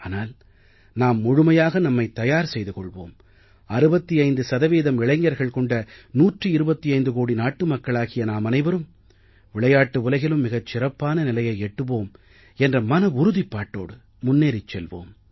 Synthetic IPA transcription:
aːnaːl | naːmːʊɻɯmɐjaːɣɐnɐmːɐɪt̪ːɐjaːɾsɛjðɯkɔɭʋo̰ːm | ɐɾɯbɐt̪ːiɐɪnd̪ɯsɐðɐʋeːðɐmɪɭɐɪŋːɐɾɣɐɭkɔɳɖɐnuːʈrɯɪɾɯbɐt̪ːiɐɪnd̪ɯkoːɽinaːʈːɯmɐkːɐɭaːɣɪjɐnaːmɐnɐɪʋɐɾɯm | ʋɪɭɐjaːʈːɯʊlɐɪɣɐɭɯmːɪɣɐt͡ʃːɪɾɐpːaːnɐnɪlɐjɐɪɛʈːɯpoːm | ɛndrɐmɐnɐʊɾʊðɪpːaːʈːo̰ːɽɯ | mʊnːeːɾɪt͡ʃːɛlʋo̰ːm

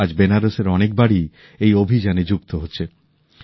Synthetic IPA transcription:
ad͡ʑbenaɾoseɾɔnek̚baɽi | ejobʱid͡ʑaned͡ʑuk̚t̪oɦotːɕʰe

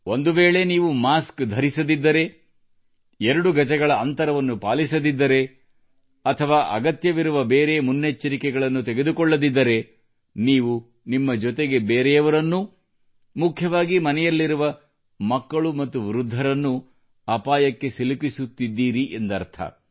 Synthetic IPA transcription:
ond̪uʋeːɭe̞niːʋumaːskd̪ʱɐɾisɐd̪id̪ːɐɾe̞ | ɛɾɐɽuɡɐt͡ʃɛɡɐɭɐɐnt̪ɐɾɐʋɐnːupaːlisɐd̪id̪ːɐɾe̞ | ɐt̪ʰɐʋaːʔɐɡɐt̪jɐʋiɾuʋɐbeːɾemunːet͡ʃːɐɾikɛɡɐɭɐnːut̪eɡed̪ukɔɭːɐd̪id̪ːɐɾe̞ | niːʋu | nimːɐd͡ʒɔt̪eɡe̞beːɾɛjɐʋɐɾɐnːu | mukʰjɐʋaːɡimɐnɛjɐlːiɾuʋɐ | mɐkːɐɭumɐt̪ːuʋiɾud̪ʱːɐɾɐnːu | ɐpaːjɐkːe̞silipisut̪ːid̪ːiːɾiʔend̪ɐɾt̪ʰɐ̰

